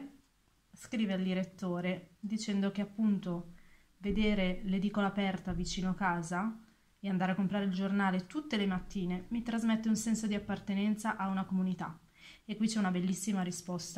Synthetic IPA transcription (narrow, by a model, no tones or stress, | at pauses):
skɾiːveald̪iɾet̪ːoːɾed̪it͡ʃɛnd̪ok̟eapːunt̪o | ved̪eːɾeled̪iːkolapɛrt̪avit͡ʃiːnoakaːza | eand̪aɾeakːompɾaːɾeild͡ʒornaːlet̪ut̪ːelemat̪ːiːnemit̪ɾazmet̪ːeunsɛnsod̪iapːart̪enɛnt̪saʔaunakomunit̪a̰ | ekːwit͡ʃːɛunabelːisːimaɾispɔst̪a